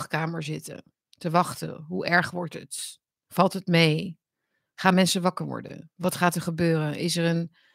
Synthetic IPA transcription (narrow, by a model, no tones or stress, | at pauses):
χkaːməɹzɪtə̰ | təʋɑχtə̰ɦuʔɛɹχʋɔɹtə̰t | v̥ɑlˠtɦətmej | χaːnmɛnsəʋɑkəɹʋɔ̰ɹdə̰nʋɑtχaːtɛɹχəbøːrənʔɪsɛɹən